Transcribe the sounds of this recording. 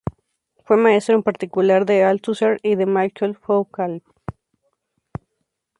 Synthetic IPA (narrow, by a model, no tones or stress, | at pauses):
fwemae̞st̪ɾoempaɾt̪ikulaɾðealt̪useɾiðemajkʰelfowkal